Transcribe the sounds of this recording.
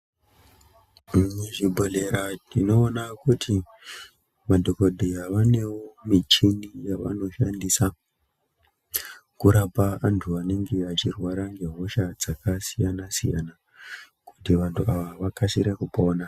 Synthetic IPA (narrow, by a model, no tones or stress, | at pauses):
ɲeʐibʱole̞ɾanino̞ːnakutʰi | madʱoko̞dʱejaʋane̞womit͡ʃinijaʋa̰no̞ʃandisa | kuɾapaantʰuʋane̞ŋɡe̞at͡ʃirwaɾaŋɡe̞ɦo̞ʃad͡zakasijanasḭja̰na | ku̥tiʋantʰuaʋaʋakaʃiɾakupo̞ːna